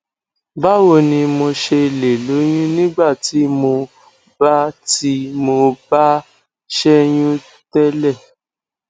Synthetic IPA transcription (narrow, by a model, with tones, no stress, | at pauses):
ba˦wo˧˨nĩ˧mo˧ʃe˧le˨lo˨˦j̃ũ˦nĩ˦ɡ͡ba˦˨ti˨˦mo˧ | ba˦ti˦mo˧ba˦ | ʃɛ˦j̃ũ˦ | tɛ˦lɛ˦˨